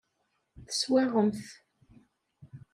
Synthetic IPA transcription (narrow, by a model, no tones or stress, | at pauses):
θə̥swæʁəmθ